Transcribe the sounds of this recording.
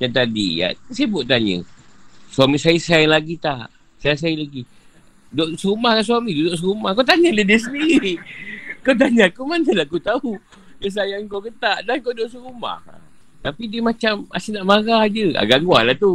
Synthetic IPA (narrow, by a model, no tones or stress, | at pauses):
d͡ʒant̪adḭja̰əsibʊʔt̪aɲə̰swamisaisalaɡit̪a | sajis̬ailaɡi | doʔsəɾumahkanswamĩdudoʔs̬əɾumahkawt̪aɲədədiəs̬əndiɾi | kawt̪̬aɲakumanəlakut̪au | dəs̬ajaŋkawkət̪aʔdankodoʔsəɾuma̰h | t̪apidiəmat͡ʃama̰sinaʔmaɣahd͡ʒəa̰ɡaŋɡwalaht̪u